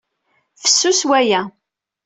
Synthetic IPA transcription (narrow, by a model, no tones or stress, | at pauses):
fə̥sːuswæjæ